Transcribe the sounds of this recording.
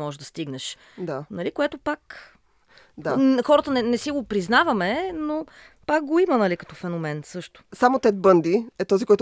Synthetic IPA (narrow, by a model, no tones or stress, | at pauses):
mɔʒɛd̪ɐst̪iɡnəʃ | d̪anɐlikoɛt̪opak | d̪axɔɾət̪ənɛnɛsiɡopɾiznavɐmɛno | pak̚ɡoimənɐlikɐ̥t̪ɔfɛnomɛnsɤʃt̪ʊ̥samot̪ɛt̪̚bɤnd̪iɛt̪ɔzikɔjt̪